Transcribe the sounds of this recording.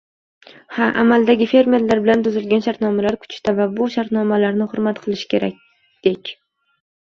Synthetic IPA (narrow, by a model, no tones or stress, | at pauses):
haʔa̰malˠd̪aɡʲɪfe̞ɾme̞ɾlːaɾbɪlant̪ʊzɪlɡʲanʃaɾt̪nɒmalaɾkʰʊ̥t͡ʃt̪ʰavabʊʃaɾt̪nɒmalaɾnɪhʊɾmat̪qʰɨlˠɪʃkʲʰe̞ɾa̰k̚ʲ | d̪̥ekʲ